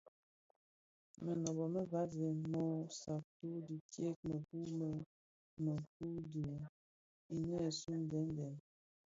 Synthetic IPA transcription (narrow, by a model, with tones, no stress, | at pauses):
mə˨nɔ˨bɔ˨mə˦va˦ze˨mɔ˦sa˨k̚tu˦di˨tje˦k̚mə˨ku˦mə˦ | mə˨ku˦di˨ | i˨nɛ˦˨su˦n˨dɛ˨˦ndɛ˨n